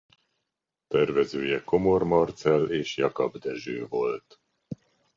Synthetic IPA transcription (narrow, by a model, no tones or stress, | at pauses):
t̪ɛrvɛzøːjɛko̞mo̞rmɒrt̪sɛleːʃjɒkɒbd̪ɛʒøːvo̞lt̪